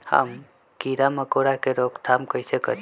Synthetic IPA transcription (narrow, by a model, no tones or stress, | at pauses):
hə̰m | kiɾaməkoːɾakeɾoːkt̪ʰamkəisekə̰